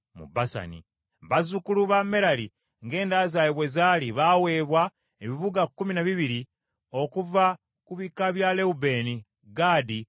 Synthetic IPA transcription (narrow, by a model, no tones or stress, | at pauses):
mṵbasa̰nḭ | βazukuluβame̞ɾali | ŋɡe̞ːndaːzajeβwe̞zaːliβawe̞ːβwa | eβiβuɡakːuminaβiβiɾi | o̞kuva | kuβikaβjale̞ube̞ni | ɡaːdi